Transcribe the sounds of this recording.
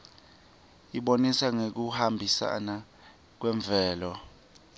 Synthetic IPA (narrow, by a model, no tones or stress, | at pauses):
iɓonisaŋek̬uhambʱisa̰na | k̬wɛɱb̪vʱɛːlɔ